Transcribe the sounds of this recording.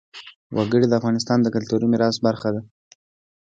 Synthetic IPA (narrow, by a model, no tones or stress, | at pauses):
wʔaɡəɽid̪əafɣɑnɪs̬t̪ɑnd̪əkalt̪uɾimɪɾɑs̚baɾxad̪a